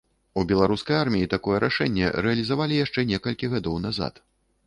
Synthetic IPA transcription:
ubʲɛlˠaɾuskɐjarmʲijit̪akɔjɛɾaʂɛnʲːɛ̰ɾɛɐlʲizavalʲijaʂt͡ʂɛnʲɛkɐlʲkʲiɣad̪ɔwnaza̰t̪

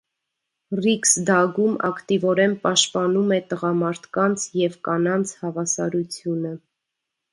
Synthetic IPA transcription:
riksd̪ɑɡumɑ̰kt̪ivɔɾɛnpɑʃt̪pɑnumɛt̪əʁɑmɑɾt̪ʰkɑnt͡sʰjɛvkɑnɑnt͡sʰhɑvɑsɑɾut͡sʰjunə

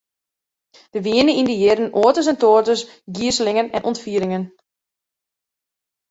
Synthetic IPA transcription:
d̥əʋiənəindəjɪɾənoətəsɛntoːrtəs | ɡiəsəlɪŋənɛnʔɔntfiəɾɪŋən

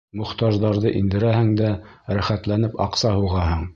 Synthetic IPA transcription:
mŏχt̪ɑʒðɑɾðɤʔind̪ɘ̆ɾæhɘŋd̪æɾæχæt̪lænɘpɑ̰qsɑhuʁɑɦɤɴ

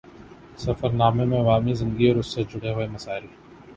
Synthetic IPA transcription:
sɐfəɾnaːmẽmẽɐʋaːmizɪ̃ŋɡiɔːɾʊsːed͡ʒʱʊɽeɦʊemɐsaːɪɾi

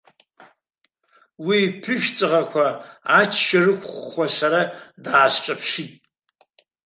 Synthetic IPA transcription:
wipʰɨʃt͡sʼɨʁakʷʰaat͡ʃʰʃarɨkʷʰʼχʷχʷasaɾadaːɕʈ͡ʂʼɐpʰʂitʼ

